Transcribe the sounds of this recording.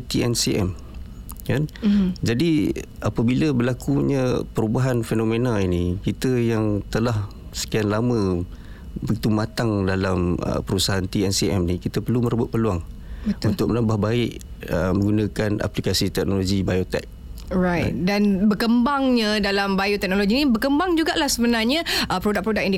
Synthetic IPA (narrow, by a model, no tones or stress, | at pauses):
t̪iɛnsiʔɛ̰m | kand͡ʒadi | ʔapəbiləbəlakuɲəpəɾubaɦanfenomenalinikit̪əjaŋt̪əlah | sə̥kianlamə̃ | bəɡit̪umat̪aŋdalamə̰pəɾusaɦant̪iɛnsiɛ̰mnikit̪əpərluməɾəbʊt̪̚pəluaŋbəunt̪ʊk̚məlambahbaɪʔəmə̃ŋɡunãkana̰plikasit̪ɛk̚noloɡibajot̪ɛ̰k̚ | ɾajt̪̚danbəkəmbaŋɲadalambajot̪ɛk̚noloɡinibəkəmbaŋd͡ʒuɡaʔlahsəbənarɲəəpɾodak̚pɾodak̚indi